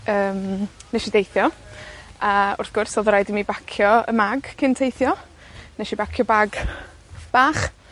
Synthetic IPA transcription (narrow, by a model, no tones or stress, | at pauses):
əːmnɛʃidejθjɔ | aʊ̰rθɡ̥ʊrsɔðɾajdimibakʰjɔə̰maɡkʰɪntʰejθjɔ | nɛʃibakʰjɔbaɡ | b̥aːχ